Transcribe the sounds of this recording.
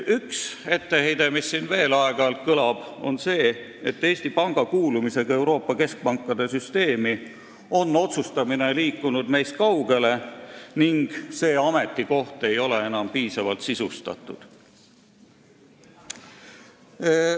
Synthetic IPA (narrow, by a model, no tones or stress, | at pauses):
ykse̞t̪ːe̞he̞jd̪e̞misːiːnve̞ːlɑeɡ̥ɑlt̪̚kɤlɑb̥o̞̰nse̞ː | et̪ːe̞ːsʲt̪ipɑŋɡ̥ɑkuːlumise̞ɡ̥ɑe̞wɾo̞ːpːɑke̞sk̚pɑŋkːˑɑd̪e̞syst̪e̞ːmi | o̞nːo̞t̪sust̪ɑmine̞liːkːunud̪̥me̞jst̪̚kɑwɡe̞le̞niŋɡ̥se̞ːɑme̞t̪ːˑiko̞ht̪e̞jo̞le̞e̞nɑmpiːsɑvɑlt̪sisust̪ɑ̰t̪ːˑud̪̥